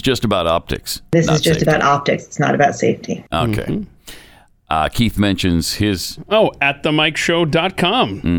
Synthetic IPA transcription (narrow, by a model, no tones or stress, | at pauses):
d̥ʒ̥ʌstəbaʊɾɑ̰p̚tʰɨ̰ksðɪsɨzd͡ʒʌsəbaʊɾʔɑp̚tɨksɨ̥tsnə̰ɾɨbaʊtseɪftʰiʔo̰ʊkʰḛɪ | ʔkʰiθmɛ̃nʃɨ̃nz̥hɪz̥oʊɨt̪̚ðəmaɪkʃoʊdɑt̚kʰɑ̃m̩